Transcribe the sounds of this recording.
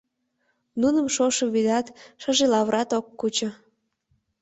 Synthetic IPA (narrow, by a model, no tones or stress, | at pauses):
nunəmʃoʃəβid̪ɑt̪ʃəʒelɑβɾɑt̪okːut͡ɕŏ